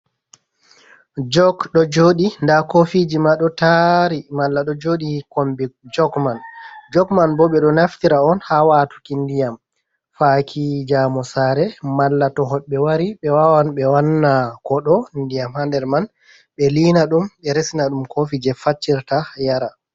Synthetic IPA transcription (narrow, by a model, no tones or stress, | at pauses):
d͡ʒɔkɗɔd͡ʒoːɗindakofid͡ʒimaɗɔtaɾimalːaɗɔd͡ʒoɗikombik̚d͡ʒɔɡmand͡ʒɔkmanbɔɓɛɗɔnaftiɾaɔnhawaːtu̥kindijam | fakʰid͡ʒamɔsaɾɛmalːatɔɦɔɓɛwaɾiɓɛwawanɓɛwanːakɔɗɔndijamhandɛɾman | ɓɛlinaɗumɓɛɾesinaɗumkʰofid͡ʒɛfat͡ʃːiɾtajaɾa